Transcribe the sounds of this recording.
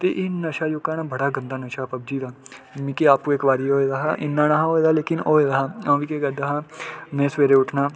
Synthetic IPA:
t̪eːʔɪnəʃaːjʊkːaːnaːbəɽaːɡə̃nd̪aːnəʃaːpəb̚d͡ʒiːd̪aːmikeaːpuːekʋaːɾiːoːed̪aːɦaʔɪ̰nːãːnaɦaɦoːeːd̪aːleːkɪnoːed̪aɦaːãʋikeɡəd̪aɦaːmẽːsʋeːɾeːʊʈʰnaː

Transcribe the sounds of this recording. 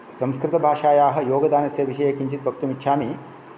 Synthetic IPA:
sɐ̃mskɾɪt̪ɐbʱaːʃaːjaːɦɐ̆joːɡɐd̪aːnɐseʋiʃɐjekiɲt͡ʃit̪bɐk̚t̪umitːʃʰaːmi

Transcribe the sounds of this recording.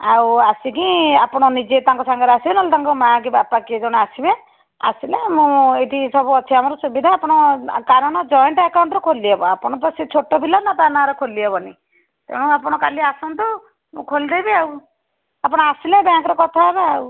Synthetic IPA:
awasikĩapɔɽ̃ɔnid͡ʒet̪ãŋkɔsaŋɡɔɾasibenɔlt̪aŋkɔmak̬ibapakied͡ʒɔɽ̃easibe | a̰silemũeʈ̪ʰisɔbuɔt͡ʃʰiamɔɾɔsubid̪ʱaːpɔɽ̃ɔkaɾɔɽ̃ɔd͡ʒɔjɔɳʈakaw̃ɳʈɾɔkʰoliebɔapɔɽ̃ɔt̪ɔsit͡ʃʰoʈɔbʱilɔnat̪anaɾɔkʰoliebɔni | t̪eɽ̃ũapɽ̃ɔkaliasɔnt̪ɔ | mṵ̃kʰold̪ejbeaw | apɔɽ̃ɔasilebãŋkɔɾɔkɔt̪ʰabeau

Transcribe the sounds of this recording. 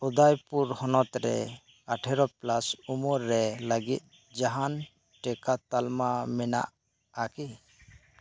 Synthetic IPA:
ud̪ajpuɾhɔnɔt̪ɾɛ̰ | aʈʰɛɾɔplasumuɾːɛləɡit̪̚ˀ | d͡ʒaɦan | ʈɛkat̪almamɛna̰ʔ | aki

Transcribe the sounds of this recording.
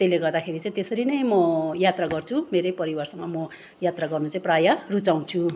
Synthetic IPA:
t̪eleɡʌrd̪akʰeɾit͡sãĩt̪esʌɾinʌjmʌjat̪raɡʌrt͡sʰumeɾepʌɾibʌrsʌmamʌ | jat̪raɡʌrnut͡sãĩprajarut͡saw̃t͡sʰu

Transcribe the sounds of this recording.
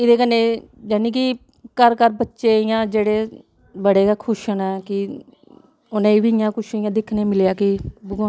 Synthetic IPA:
ɪd̪eːkənːẽː | d͡ʒɛːnĩːk̬i | kəɾkəɾbətːʃeːɪjãːd͡ʒeːɽeː | bəɽeːkaːkʰʊʃənɛːkɪ | ʊnẽːʋiɪjãːkʊʃɪjãːd̪ɪkʰnẽːmɪljaːkibʊɡõː

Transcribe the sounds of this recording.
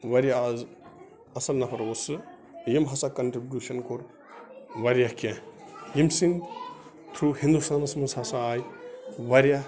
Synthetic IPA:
ʋɐɾjaːz | ɐsɐlnɐpʰɐɾosɨ | jimɦɐsakɐnʈɾibjuʃɐnkoɾ | ʋɐɾjakẽjimsĩŋ | t̪ʰɾuhĩnd̪ust̪aːnsmɨshɐsaːjʋɐɾja

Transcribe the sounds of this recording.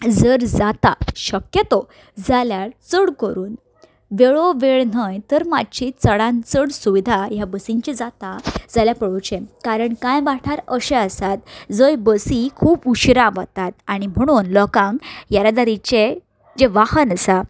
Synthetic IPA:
d͡zəɾd͡zat̪aɕəkjət̪ɔ | d͡zaljaɾt͡səɽkəɾuːn | ʋeɭɔʋeɭnəjt̪əɾmadt͡ɕit͡səɽãnt͡səɽsuʋid̪ʱajabəsiɲt͡ɕid͡zat̪ad͡zaljapəɭot͡ɕẽkaɾəɳkãjbaʈʰaɾəɕẽəsat̪d͡zəjbəsikʰuːpuɕɾaʋə̰t̪at̪̚aɽ̃im̤əɽ̃uːnlɔkãŋɡjaɾad̪aɾit͡ɕe | d͡ʑeʋahənəsa

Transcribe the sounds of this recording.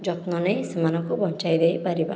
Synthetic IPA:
d͡ʒɔtnɔnejsemanɔŋkobʱɔnt͡ʃajd̪ejpaɾiba̰

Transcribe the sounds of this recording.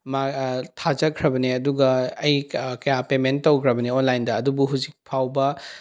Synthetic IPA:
matʰad͡ʒɐkʰɾɐbɐniɐduɡɐːjkɐjapementtːowkʰɾɐbɐnionlajndɐːdubuɦuzik̚pʰawbɐ

